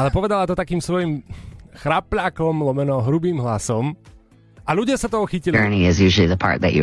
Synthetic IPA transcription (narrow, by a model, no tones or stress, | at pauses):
alɛpɔʋɛd̪alat̪ɔt̪akiːmsʋɔjimxɾaplaːkɔmlɔmɛnɔɦɾubiːmɦlasɔm | aluɟɪasat̪ɔɦɔxicilɜ˞niɪzjʉʒl̩ˠiðəpʰɑ̰ɹt̪̚ðɨ̰t͡ʃɨ̰